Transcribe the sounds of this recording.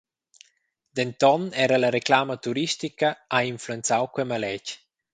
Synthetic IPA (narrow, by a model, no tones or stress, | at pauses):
d̪̥ɛnt̪ɔnɛɾalaɾeklaːmat̪uɾist̪ikaainfluent͡sawkwɛmalɛc